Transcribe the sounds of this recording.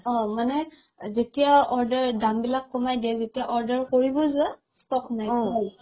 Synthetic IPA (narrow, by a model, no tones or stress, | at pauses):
ɔmanɛ | zetijaɔɹdəɹdambilakːɔmajdijazetijaʔɔɹdəɹkoɹibɔza | stɔk̚najɦɔj